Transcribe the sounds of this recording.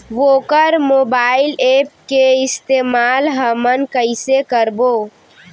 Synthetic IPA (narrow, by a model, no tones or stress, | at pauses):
ʋokəɾmobailep̚keist̪emalɦəmənkəɪsekəɾbo